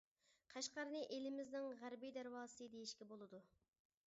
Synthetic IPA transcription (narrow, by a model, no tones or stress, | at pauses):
qʰæʃqɑɾnɨʔelɪmɪznɪŋʁæɾbijd̪æɾwɑːsɨd̪ejiʃkʲɛbolˠɨd̪u